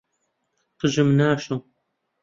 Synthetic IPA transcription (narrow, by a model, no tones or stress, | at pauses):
qɨʒɨmnaːʃo